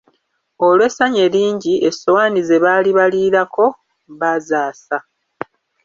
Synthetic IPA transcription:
olwe̞ːsaɲeɾiːɲɟie̞so̞waːnizeβaːliβaliːɾakʰo̞ | βazaːsa

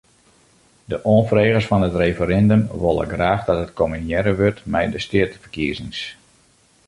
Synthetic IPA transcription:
dəʔoənfreːɣəsfɔnətrefəɾɛndəmʋolˠə̰ɡraːχdɑtɦətkʰominjɛɾəʋørtmɛjdəstɪətəfərkiəzɪŋs

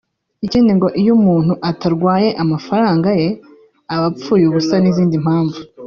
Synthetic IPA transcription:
iciːndiŋɡo̞ʔijumuːn̥huʔataɾɡwaːje̞ʔamafaɾaːŋɡaje̞ | aβap͡fuːjuβusaniziːndim̥haːɱvu

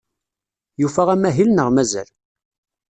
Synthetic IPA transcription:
jufæʁæmæɦilnəʁmæzæ̰l

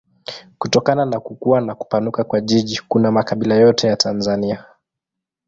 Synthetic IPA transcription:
kutɔkananakukuanaku̥panukakwaʄiʄikunamakaɓilajɔtɛjatʰanzania

